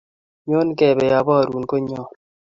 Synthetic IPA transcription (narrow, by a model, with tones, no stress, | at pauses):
ɲo˦n˦kɛ˨bɛ˨ja˨bɔ˦˨ɾu˨nko˦ɲɔ˦˨